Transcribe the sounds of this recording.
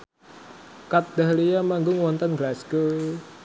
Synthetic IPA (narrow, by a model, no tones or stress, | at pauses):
kat̪̚d̪ahlijamaŋɡʊŋwɔnt̪ənɡlasɡə